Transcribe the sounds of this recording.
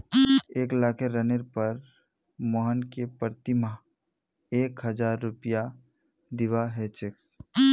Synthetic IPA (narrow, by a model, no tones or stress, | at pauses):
eːklaːkʰeɾəneɾpəɾ | mɔːɦənkepəɾt̪ɪma | eːkɦəd͡ʒaːɾːʊpɪja | d̪ɪʋaɦɛt͡ʃɪk